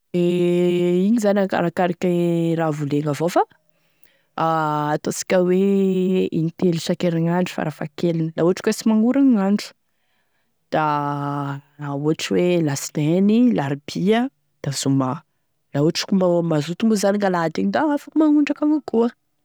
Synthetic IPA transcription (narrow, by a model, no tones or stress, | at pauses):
e | iɲizanʲaka̰ɾakaɾikʲəɾavuleŋavofa | aːt̪osi̥kʲəwe | ḭnit̪eliʃakeɾaŋaɳɖ͡ʐu̥fa̰ɾafakelinəlauaʈ͡ʂi̥kwesimaŋuɾanaɳɖ͡ʐu̥ | d̪̥a | auaʈ͡ʂiwelast̪enilaɾibiə | d̪̥azuma | lauaʈ͡ʂkʲummazut̪umbuzaniŋalad̪iɲid̪aafakumaŋuɳɖ͡ʐakaŋakuə